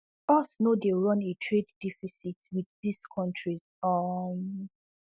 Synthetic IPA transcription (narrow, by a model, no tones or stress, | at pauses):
ɔsnodeɹɔ̃netʰɹeddifisitwiðdiskʰɔ̃ntʰɹiz | ɔ